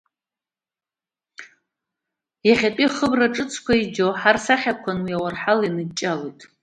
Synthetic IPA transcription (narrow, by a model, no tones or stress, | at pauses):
jaχʲapʼiχəbraʈ͡ʂʼɨt͡sʰkʷaid͡ʒoħarsaχʲakʷʰanwiawarħalinɨdt͡ʃʼalojtʼ